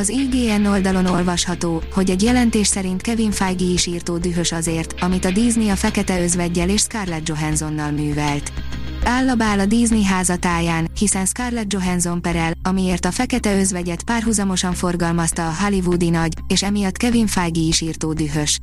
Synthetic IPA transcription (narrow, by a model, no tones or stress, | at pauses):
ɒziːɡeːɛnːo̞ld̪ɒlo̞no̞lvɒʃhɒt̪oːho̞ɟɛɟjɛlɛnt̪eːʃsɛɾint̪kɛviɱfajɡiiʃiːrt̪oːd̪yɦø̞ʃɒzeːrt̪ɒmit̪ɒd̪iːzniɒfɛkɛt̪ɛø̞zvɛɟːɛleːʃskarlɛd̪̚d͡ʒo̞ɦɛnzo̞nːɒlmyːvɛlt̪aːlːɒbaːlɒd̪iːzniɦaːzɒt̪aːjaːnhisɛnskarlɛd̪̚d͡ʒo̞ɦɛnzo̞mpɛɾɛlɒmieːrt̪ɒfɛkɛt̪ɛø̞zvɛɟɛt̪paːrɦuzɒmo̞ʃɒɱfo̞rɡɒlmɒst̪ɒːɦalivud̪inɒɟeːʃɛmijɒt̪ːkɛviɱfajɡiiʃiːrt̪oːd̪yɦøʃ